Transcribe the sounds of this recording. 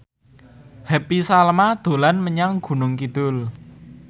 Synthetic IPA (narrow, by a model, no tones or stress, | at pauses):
hɛpisalmad̪̥o̤lanməɲaŋɡ̥ṳnʊŋkid̪̥ʊl